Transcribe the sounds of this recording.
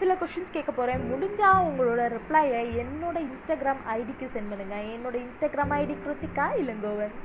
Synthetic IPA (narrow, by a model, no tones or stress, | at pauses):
sɪlɐkɔsʈɐnskeːʈkːɐpoːɾẽmʊɽɪɲd͡ʒaːʊŋɡɐɭoːɽɐɾɪpɭɐjɐɛnːoːɽɐɪnsʈaːɡɪɾaːmɐɪɽɪkːɯsɛnʋɐðɯŋɡɐɛnːoːɽɐɪnsʈaːɡɪɾaːmɐɪɽikɾot̪ːɪkːaːɪlɯŋɡoːʋɐ